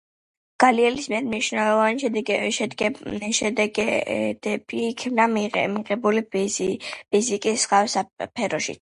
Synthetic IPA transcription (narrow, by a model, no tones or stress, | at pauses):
ɡ̥aliɛlismiɛɾmniʃnɛlˠɔvanʃɛd̪ɛɡʃɡɛʃɛd̪ɛɡɛd̪ɛbiːkʰbnamiʁɛbuli | pʰizikʼisχavɛsapʰɛɾɔʃḭt̪